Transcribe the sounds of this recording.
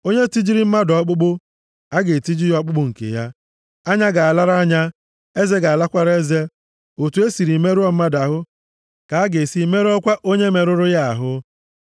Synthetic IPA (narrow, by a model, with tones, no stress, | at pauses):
o˦ɲe˦ti˦d͡ʒi˦ɾi˦m̩˦ma˦dɔ˨˦k͡pʊ˦ɡ͡bʊ˦ | a˦ɡe˨ti˦d͡ʒi˦jɔ˦k͡pʊ˦ɡ͡bʊ˦ŋ̩˨kḛ˨ja˦ | a˦ɲa˦ɡa˨a˨la˦ɾa˦ɲa˦ | e˦ze˦ɡa˨a˨la˦kʷa˨ɾe˦ze˦ | o˨tu˨˦e˦si˨ɾi˨me˦ɾʊ˦ɔ˦m̩˦ma˦da˨ɦʊ˦ | ka˨a˦ɡe˨si˨˦me˦ɾɔ˦kʷa˦ʔo˦ɲe˦me˨ɾʊ˦ɾʊ˦ja˦a̰˨ɦʊ˦